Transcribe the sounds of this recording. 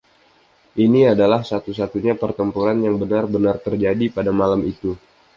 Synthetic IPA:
ʔiniadalahsat̪usat̪uɲapərt̪əmpuɾanjaŋbənarbənart̪ərd͡ʒadipadamalamit̪u

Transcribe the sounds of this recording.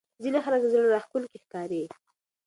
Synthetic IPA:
zinexaləkzəɽɾɑxkʊlkexkɑɾe

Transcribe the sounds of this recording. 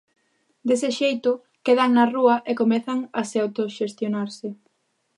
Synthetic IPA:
d̪esɪʃejt̪ʊ | keðaŋnɐruɐʔekomɛθaŋɐseawt̪oʃest̪jonaɾsɪ

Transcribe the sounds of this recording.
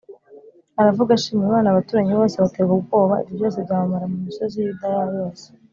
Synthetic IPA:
aɾavuɡaʃiːmiiβaːnaβatuːɾaɲiβo̞ːseβateɡubɡo̞ːβaḭvjivjo̞ːs̬ebɟaːβamaɾamumiso̞zijidajajoːse̥

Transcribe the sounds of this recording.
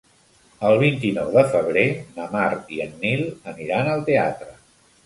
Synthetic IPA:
əlˠβint̪inɔwðəfəβ̞ɾenəmaɾiənːilˠəniɾanəlˠt̪ea̰t̪ɾə

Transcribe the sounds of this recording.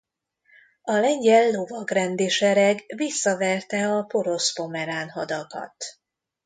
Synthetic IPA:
ɒlɛɲɟɛlːo̞vɒɡrɛnd̪eʃɛɾɛɡvisːɒvɛrt̪ɛɒpo̞ɾo̞spo̞mɛɾaːnɦɒd̪ɒkɒ̰t̪

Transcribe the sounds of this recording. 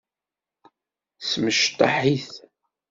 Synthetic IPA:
sməʃt̪ˤːɑ̰ħiθ

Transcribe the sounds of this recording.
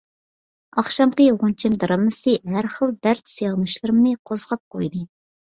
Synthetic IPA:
ɑχʃɑmqəʁunt͡ʃʰɪmd̪ɨɾɑmːɨsɨɦæɾχəlˠd̪æɾt̪seʁnɨʃlˠɨɾɨmnɨqʰozʁɑp̚qojd̪ɨ

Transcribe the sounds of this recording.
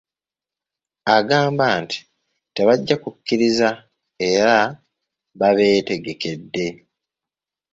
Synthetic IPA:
aɡaːmbaːnti̥ | te̞βaɟːakukːiɾiza | e̞ɾa | βaβe̞ːte̞ɡe̞ke̞dːe̞

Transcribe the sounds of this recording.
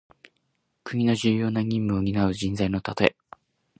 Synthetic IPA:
kɯ̟ɲ̟ino̞ʑɨːjo̞ːnaɲ̟ʲĩmːɯ̟oɲ̟ʲinaɯ̟ʑĩnd͡zaino̞t̪at̪o̞e

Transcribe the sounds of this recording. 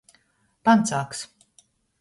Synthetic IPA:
pant̪saːks

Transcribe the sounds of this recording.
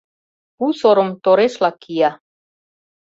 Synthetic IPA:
usoɾomt̪oɾeʃlɑkʰijæ

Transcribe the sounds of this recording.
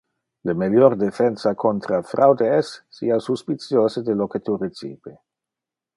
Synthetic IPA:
lemeljoɾd̪efɛnsakʰont̪ɾafɾawd̪eɛsːḭasuspit̪t͡sjoːsed̪eloket̪uɾet͡sḭːbe

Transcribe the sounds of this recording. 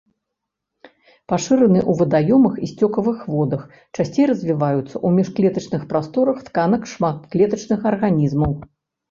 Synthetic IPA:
paʂɨɾɐnɨʔuvɨd̪ajɔmɨxisʲt͡sʲɔkɐvɨxvɔd̪ɐx | t͡ʂasʲt͡sʲejrɐzʲvʲivajut̪sːɐʔumʲɛʂklʲɛt̪ɐt͡ʂnɨxpɾast̪ɔɾɐxt̪kanɐkʂmat̪klʲɛt̪ɐt͡ʂnɨxɐrɣanʲizmɐw

